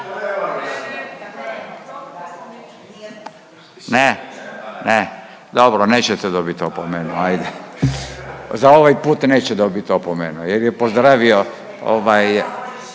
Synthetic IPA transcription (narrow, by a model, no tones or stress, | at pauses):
ne | ne | d̪obɾoneːt͡ɕɛt̪ɛd̪obit̪t̪ːopomenuajd̪e | zaoʋajpuːt̪neːt͡ɕɛd̪obit̪t̪opomenujeɾjɛpozd̪ɾaːʋio | o̰ʋaj